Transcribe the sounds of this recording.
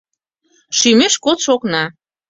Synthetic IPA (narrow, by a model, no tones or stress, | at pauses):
ʃymeʃkot̪ʃoknɑ